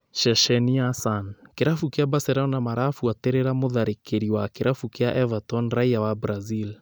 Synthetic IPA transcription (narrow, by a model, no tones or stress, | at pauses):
ʃɛʃɛniasankeɾafukeabasɛɾɛɔnamaɾafuateɾeɾamoðaɾekeɾiwakeɾafukeaʔɛvatɔnɾaiawabɾazil